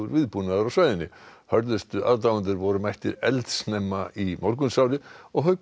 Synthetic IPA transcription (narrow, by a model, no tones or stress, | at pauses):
vʏɾvɪðpunaðaɾawsvaːjðɪnːɪ̰hœɾðɪst̪ʏʔaðt̪avant̪ɪɾvɔɾʏmajht̪ɪɾɛlt̪snɛmːaimawɾkʏnsawlɪɔɣɦœɥk